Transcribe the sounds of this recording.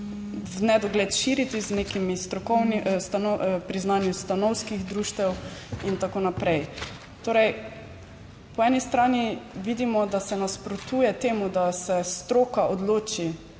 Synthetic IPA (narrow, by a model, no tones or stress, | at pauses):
vnɛd̪ɔɡleːt̪ʃiːɾit̪izneːkimist̪ɾɔkɔwnist̪anɔpɾiznaːnjust̪anɔwskiɣd̪ɾuːʃt̪ʋɛwint̪akoːnapɾɛj | t̪oːɾɛj | pɔɛːnist̪ɾaːniʋiːd̪imɔd̪asɛnaspɾɔt̪uːjɛt̪eːmud̪asɛst̪ɾoːkaʔod̪loːt͡ʃi